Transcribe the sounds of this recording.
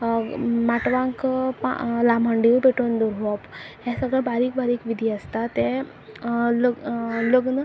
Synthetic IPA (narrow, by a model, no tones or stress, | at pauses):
maʈʋãŋkpa̰laməɳɖiupeʈond̪uɾʋɔpɦẽsəɡɽabaɾiːk̚baɾiːkʋid̪ʱiəst̪at̪e | lələɡn